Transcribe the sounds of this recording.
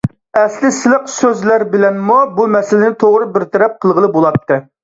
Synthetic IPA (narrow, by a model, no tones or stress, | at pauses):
ɛslɪsɪlˠəqsøzlæɾbɪlɛnmubumɛsɪlɪnɪt̪ʰoʁɾɨbɪɾt̪ʰɛɾɛp̚qʰəlˠʁəlˠɨbolˠɑt̪ʰːɨ